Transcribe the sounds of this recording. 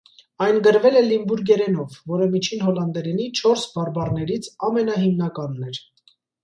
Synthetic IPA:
ɑjnɡəɾvɛlɛlimbuɾɡɛɾɛnɔvːɔɾəmit͡ʃʰinɦɔlɑnd̪ɛɾɛnit͡ʃʰɔɾsbɑɾbɑrnɛɾit͡sʰɑmɛnɑɦimnɑkɑnːɛɾ

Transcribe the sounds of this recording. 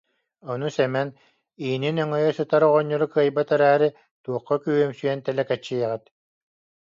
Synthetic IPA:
ɔnusɛmɛn | iːninœŋœjœsɯt̪aɾɔʁɔɲːɔɾukɯɐjbat̪ɛɾæːɾi | t̪uɔqːɔkyːœmsyjɛnt̪ɛlɛkɛt͡ɕːijɛʁit̪

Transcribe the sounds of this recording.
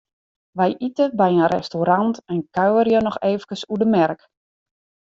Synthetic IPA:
ʋɛjʔitəbɛjənrɛ̰stoɾantɛnkawərjənɔxeːvkəsudəmɛrk

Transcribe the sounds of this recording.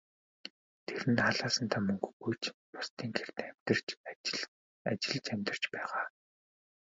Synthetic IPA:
t̪ʰeɾɘ̆nχaɮaːsə̆nt̪ʰaːmɵŋɡɣujt͡ɕmʊst̪ʰiːŋkʰer̥t̪æmʲt̪̆rt͡ɕ | at͡ɕɪ̆ɮt͡ɕæmʲt̪ə̥̆t͡ɕpæːʁaː

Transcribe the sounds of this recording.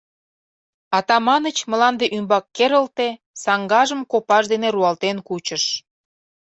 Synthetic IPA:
ɑt̪ɑmɑnət͡ɕmə̆lɑnd̪eʔymbɑkːeɾəlt̪e | sɑŋɡɑʒəmkopɑʃd̪eneɾuɑlt̪enkut͡ɕəʃ

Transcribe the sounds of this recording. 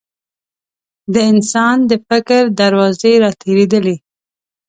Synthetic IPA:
d̪əɪnsɑnd̪əfɪkɾd̪aɾwɑzeɾɑt̪ʰeɾed̪əle

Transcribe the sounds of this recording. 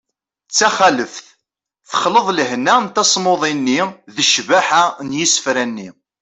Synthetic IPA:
t͡sːæχæləfθ | θə̥χləðˤləhnænt̪æsˤmoðˤinːiðəʃvaħanjisə̥fɾænːi

